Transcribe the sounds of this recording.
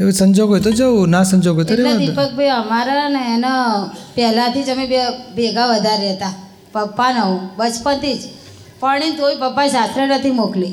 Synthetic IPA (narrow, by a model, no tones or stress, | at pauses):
eʋsəɲd͡ʒoɡʱɦojt̪od͡ʒəwnasəɲd͡ʒoɡʱojt̪oɾead̪ipək̚bʱeəmaɾaneːnapɛɦlãt̪id͡ʒəmebebeɡaʋəd̪ʱaɾɛɦt̪a | pəpːanəũbət͡ʃpənt̪id͡ʒ | pəɽ̃int̪ʰoipəpːasat̪ɾənət̪ʰimokli